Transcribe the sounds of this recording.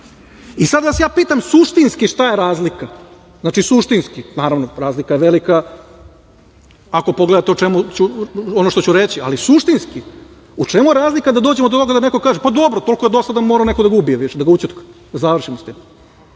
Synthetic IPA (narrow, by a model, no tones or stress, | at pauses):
isad̪ʋasjaːpiːt̪amsuʃt̪inskiʂt̪ajeɾaːzlika | znaːt͡ʃisuʃt̪inskinaːɾaʋnoɾaːzlikajeʋelika | ako̞poɡled̪at̪eot͡ʃemut͡ɕuonoʃt̪o̞t͡ɕuɾet͡ɕia̰lisuʃt̪inski | ut͡ʂemujeɾaːzlikad̪ad̪od͡ʑemod̪ot̪o̞ɡad̪anekokaːʒepad̪o̞bɾot̪o̞lˠkojed̪o̞sad̪amoɾaone̞kod̪aɡubijeʋiʃed̪aɡaut͡ɕit̪kḁd̪azaʋrʃimost̪iːm